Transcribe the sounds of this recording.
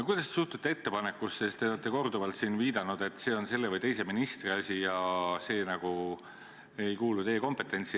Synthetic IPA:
kujd̪̥ɑst̪esuht̪ut̪ːee̞t̪ːe̞pɑnekːusest̪e̞olet̪ːˑe̞ko̞rd̪uvɑlt̪siːnviːd̪ɑnud̪̥e̞t̪ːˑse̞ːo̞nse̞lːevəjt̪e̞jse̞minist̪riɑsʲijɑse̞ːnɑɡ̥u | e̞jkuːlut̪ejːeko̞mpˑe̞t̪ːˑe̞nʲt̪si

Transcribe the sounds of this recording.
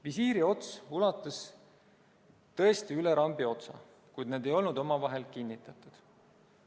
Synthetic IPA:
visiːɾio̞t̪sulɑt̪ːˑɑs | t̪ɤ̞e̞st̪iyle̞ɾɑmb̥io̞t̪sɑ̰ | kujd̪ne̞ːd̪̥e̞jo̞lnud̪̥omɑvɑɦe̞lkinʲːit̪ːˑɑt̪ːˑud̪̥

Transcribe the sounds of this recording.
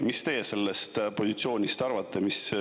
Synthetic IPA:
mist̪e̞jese̞lːest̪po̞sit̪sio̞ːnʲist̪ɑrvɑt̪ːe̞mis

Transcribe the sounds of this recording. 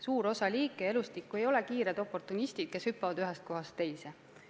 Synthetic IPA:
suːɾo̞sɑlʲiːkːˑee̞lust̪ikːˑue̞jo̞le̞kiːɾed̪̥o̞pːˑo̞rt̪ːˑunist̪id̪̥̚ke̞shypːˑɑvɑd̪yɦest̪̚ko̞ɦɑst̪ːe̞jse

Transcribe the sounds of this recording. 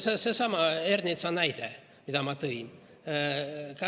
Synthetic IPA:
sesesɑmɑerd̪nʲit̪sɑnæjd̪e | mid̪ɑmɑt̪ɤin | kɑ

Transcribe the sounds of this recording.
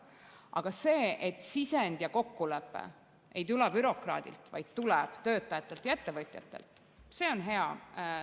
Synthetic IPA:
ʔɑ̰ɡ̥ɑse̞ːʔet̪ˑsisend̪̥jɑko̞kːulepːˑḛ | e̞jt̪̬ulɛb̥yɾo̞krɑ̰ːd̪̥ʲḭlt̪vɑ̰jd̪̥̚t̪ulɛb̥t̪ø̞ːt̪ːˑɑjɑt̪ːˑe̞lt̪jɑe̞t̪ːe̞vɤt̪ʲˑjɑ̰t̪ːˑe̞̰lt̪ˑ | se̞ːo̞nɦe̞ɑ

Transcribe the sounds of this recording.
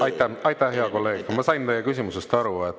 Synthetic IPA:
ɑjt̪ːˑæɑjt̪ˑæhɦeɑko̞lːe̞ːɡmɑsɑjnt̪e̞jekysʲimuse̞st̪ɑɾuet̪ː

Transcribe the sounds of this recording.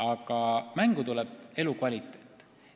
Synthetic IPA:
ɑkɑmæŋɡut̪ulɛb̥e̞lukvɑlʲit̪ːˑe̞ːt̪ːˑ

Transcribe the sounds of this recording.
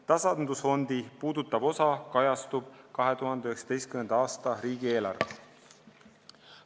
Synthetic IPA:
t̪ɑsɑnd̪usfo̞nd̪̥ipuːd̪ut̪ːˑɑbo̞sɑkɑjɑst̪ub̥kɑɦe̞t̪uɦɑnd̪eyheksɑ̥d̪e̞jst̪kymend̪ɑɑːst̪ɑɾiːɡ̥ie̞ːlɑ̰rv

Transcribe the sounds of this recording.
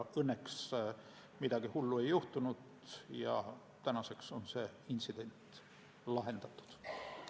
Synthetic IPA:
ɤnːeks | mid̪̥ɑɡ̥ihulːue̞jːuht̪unud̪ | jɑ̰ | t̪ænɑse̞kso̞nse̞int̪sid̪̥e̞nʲt̪ˑ | lɑɦe̞nd̪̥ɑt̪ːˑu̥d̪̥

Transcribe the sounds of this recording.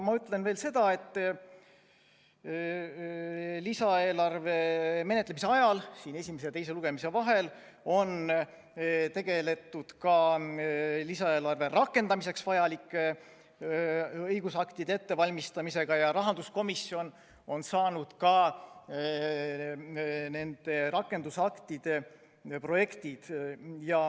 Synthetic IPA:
mɑyt̪ːˑle̞nve̞ːlse̞d̪̥ɑe̞t̪ː | lisɑe̞ːlɑrve̞me̞net̪lemise̞ɑjɑlsiːne̞sʲimes̬et̪e̞js̬e̞luɡ̥e̞mise̞vɑɦe̞l | o̞n | t̪e̞ɡ̥e̞le̞t̪ːˑud̪̥kɑ | lisɑeːlɑrve̞rɑkːˑe̞nd̪ɑmise̞ksvɑjɑlikːˑe | ɤjɡ̥usɑkt̪id̪eet̪ːe̞vɑlʲmist̪ɑmise̞ɡ̥ɑjɑɾɑɦɑnd̪usko̞misːjo̞n | o̞nsɑːnud̪̥kɑ | ne̞nd̪̥e̞ɾɑkːˑe̞nd̪usɑkt̪id̪̥e̞ | proje̞kt̪id̪̥jɑ

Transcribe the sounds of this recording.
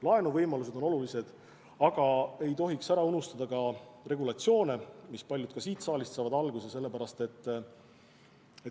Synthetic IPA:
lɑe̞nuvɤjmɑlus̬e̞d̪o̞no̞lulise̞d̪̥ | ɑɡ̥ɑe̞jt̪o̞ɦiksæɾɑunust̪ɑd̪̥ɑkɑre̞ɡulɑt̪sio̞ːnemispɑlʲjud̪t̪̚kɑsiːt̪sɑːlʲist̪sɑːvɑd̪ɑlɡuse̞se̞lːe̞pæɾɑst̪e̞t̪ː | e

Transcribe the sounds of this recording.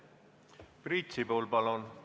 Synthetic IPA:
prit̪ʲsipoːlpɑlon

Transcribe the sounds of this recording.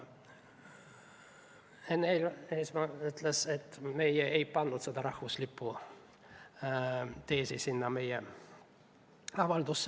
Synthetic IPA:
enːeleismɑyt̪leset̪ːmejɛeipɑnːut̪sed̪ɑɾɑhvuslipːu | t̪eːsisinːɑmejɛ | ɑvɑld̪usː

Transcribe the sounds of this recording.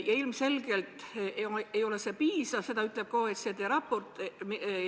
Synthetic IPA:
jɑilmse̞lɡe̞lt̪oejo̞le̞se̞piːsɑvse̞d̪ɑyt̪ˑle̞p̚koːet̪set̪eɾɑpːo̞rt̪ˑm

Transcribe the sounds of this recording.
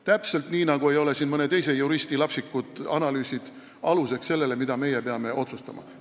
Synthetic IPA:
t̪æpse̞lt̪niːnɑɡ̥ue̞jo̞le̞siːnmɤne̞t̪e̞jse̞juɾist̪ilɑpsikːud̪̥ɑnɑlyːsid̪̥ | ɑluse̞ksse̞lːe̞le̞mid̪ɑme̞jepeɑme̞ʔo̞t̪sust̪ɑmʔɑ̰

